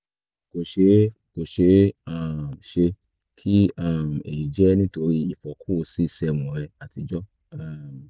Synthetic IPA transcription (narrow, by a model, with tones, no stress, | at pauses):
ko˨ʃe˧˦ | ko˨ʃe˨˧˦a˦˨m˨ʃe˧ | kʰi˦a˦˨m˨e˨ji˨d͡ʒɛ˦nĩ˦to˧ɾi˦i˦˨fɔ˨˦kʰu˦o˧˦si˦i˦˨sɛ˧˨w̃ɔ̃˨˦ɾɛ˧a˨ti˧d͡ʒɔ˦ | a˦˨